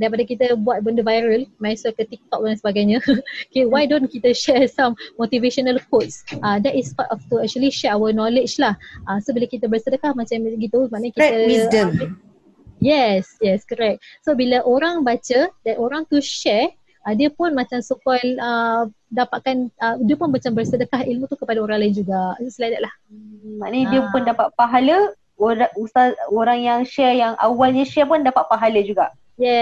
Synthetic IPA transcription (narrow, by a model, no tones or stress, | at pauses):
daɾip̬adakit̪əbuat̪̚bəndəvajɾəlmãsəkət̪ik̚t̪ɔk̚dansəbaɡajɲə̃kiwajdõnkit̪əʃɛsãmːot̪iveʃonalkɔtsʔadɛtispatɔft̪uɛk̚t͡ʃuəliʃɛɹawənɔlɪd͡ʒlahʔasobilakit̪əbəsədəkahmãt͡ʃamɡit̪umanəkit̪əidəm | jɛsjɛskəɾɛk̚t̪̚sobiləʔoɾaŋbat͡ʃədɛnʔoɾaŋt̪uʃɛr | ədiəpʊnmat͡ʃamsukɔlə | dapaʔ̚kanədiəpʊnmat͡ʃambərsədəkahilmut̪ukəpadaoɾaŋlaɪnd͡ʒuɡaʔsəlajdaʔlahmaʔnədiəpʊndapaʔ̪̚paɦalə | oɾaust̪aoɾaŋjaŋʃɛrjaŋa̰walɲaʃɛpʊndapaʔ̪̚paɦaləd͡ʒuɡaʔ | jɛ